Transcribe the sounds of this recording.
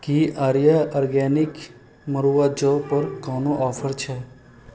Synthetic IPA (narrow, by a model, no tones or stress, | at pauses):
kiaːɾjaɔːɾɡɛːnɪk | məɾuːwad͡ʒoːpəɾkaːnoʔɔːfʰəɾt͡ʃʰɛ